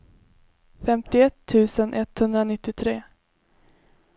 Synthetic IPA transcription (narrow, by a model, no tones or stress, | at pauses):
fɛmt̪ɪɛt̪ʰːʉ̟ːsənʔɛt̪hɵnd̪ɾanɪt̪ːɪt̪ʰɾeː